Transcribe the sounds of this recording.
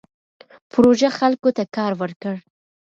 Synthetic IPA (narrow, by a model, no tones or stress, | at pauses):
pɾoʒaxalkot̪akɑɾwəɾkəɽ